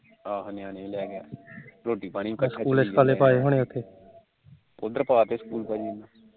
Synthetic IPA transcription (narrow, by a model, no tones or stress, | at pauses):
aːɦnɪjaːnẽlɛːɡɛːɾoːʈiːpaːɽikəskuːleskaːleːpaːeːɦoːɽ̃eːʊt̪ʰːeː | pʊd̪əɾpaːt̪eskuːlpainaː